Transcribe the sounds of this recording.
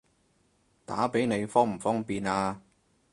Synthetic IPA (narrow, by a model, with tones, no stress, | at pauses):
t̪a̰ː˨˥pe˨˥jne˨˧jfɔː˥ŋm̩˨˩fɔː˥ŋpiː˨naː˧